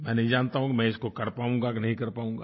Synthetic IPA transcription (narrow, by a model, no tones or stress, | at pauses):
mɛ̃ːnɐɦĩd͡ʒaːnt̪aɦũkimɛ̃ːɪskokɐɾpaːũŋɡaknɐɦĩkɐɾpaːũːŋɡa̰ː